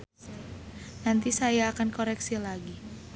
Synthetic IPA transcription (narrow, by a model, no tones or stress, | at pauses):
nant̪isajaːkankoɾɛksilaɡi